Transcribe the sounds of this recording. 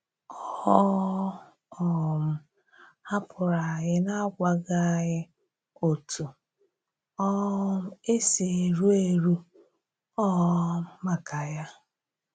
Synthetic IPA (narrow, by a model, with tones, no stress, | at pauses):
ɔ˨˦hɔ˦ | ɔ˨m̩˨˦ | ha˦pʰʊ˨ɾa˨ɦɪ˦na˦ɡʷa˨ɡa˦ɦɪ˦ | o˨tu˨ | ɔ˦m̩˦e˦si˨e˨ɾu˦e˨ɾu˦ | ɔ˦m̩˦ma˨ka˨ja˦